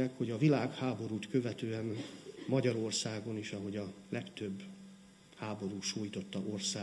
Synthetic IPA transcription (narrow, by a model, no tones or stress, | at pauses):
ɛkho̞ɟɒvilaːkhaːbo̞ɾuːt̪kø̞vɛt̪øːɛnmɒɟɒɾo̞rsaːɡo̞niʃɒɦo̞ɟɒlɛkt̪ø̞bː | haːbo̞ɾuːʃoːjit̪o̞t̪ːɒʔorsaː